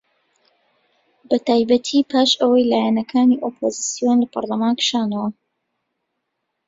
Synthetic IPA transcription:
bɐt̪aːjbɐt̪ʰiːpʰaːʃəwɐjlaːjanɐkʰaːniʔoːpʰoːzisijonlɐpʰɐ̰ɾlɐmaːnkɨ̥ʃaːnɐwɐ

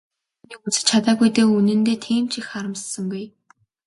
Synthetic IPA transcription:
nikut͡sɘ̥̆t͡ɕʰat̪aːɣujt̪eːunɘ̆nt̪eːt̪ʰiːmt͡ɕixχaɾə̆mssə̆ŋɡuj

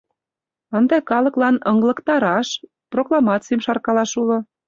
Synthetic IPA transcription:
ənd̪ekɑlɤ̆klɑnɤŋɡlɤ̆kt̪ɑɾɑʃ | proklˠɑmɑt͡sijəmʃɑrkɑlɑʃulŏ

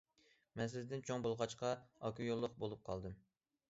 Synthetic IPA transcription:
mɛns̬ɪzd̪ɪnt͡ʃʰoŋbolˠʁɑt͡ʃqʰɑɑkʲʰujolˠːʊqbolˠup̚qʰɑlˠd̪ɨm

